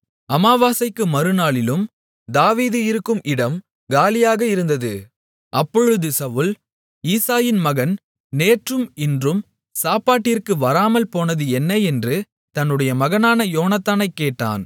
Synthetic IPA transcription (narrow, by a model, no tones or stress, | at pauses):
ɐmaːʋaːsɐɪkːɯmɐɾɯnaːɭɪlɯm | d̪aːʋiːðɯɪɾɯkːɯmʔɪɽɐm | ɡaːlɪjaːɣɐɪɾɯnd̪ɐðɯ | ʔɐpːɔɻɯðɯsɐʋɯl | iːsaːjɪnmɐɣɐn | neːʈrɯmɪndrɯm | saːpaːʈːɪrkɯʋɐɾaːmɐlpoːnɐðɯɛnːɐjɛndrɯ | t̪ɐnːɯɽɐjɐmɐɣɐnaːnɐjoːnɐt̪ːaːnɐɪkːeːʈːa̰ːn